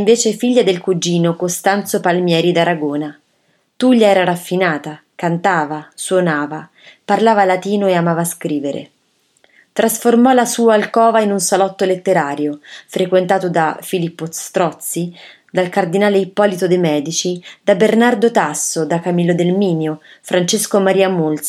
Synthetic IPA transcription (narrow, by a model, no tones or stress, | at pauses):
ɱveːt͡ʃefiʎːad̪elkud͡ʒiːnokost̪ant̪sopalmjɛːɾid̪aɾaɡoːna | t̪uʎːaɛːɾaɾafːinaːt̪a | kant̪aːvaswonaːva | parlaːvalat̪iːnoeamaːvaːskɾiːveɾḛ | t̪ɾʔasformɔlasuːaːlkɔːvainunsalɔt̪ːolet̪ːeɾaːɾjofɾʔekwent̪aːt̪od̪afilipːost̪ɾɔt̪si | d̪alkard̪inaːleipːɔːlit̪od̪ejmɛːd̪it͡ʃid̪abernard̪ot̪asːod̪akamilːod̪elmiːnjofɾʔant͡ʃeskomaɾiːamult̪s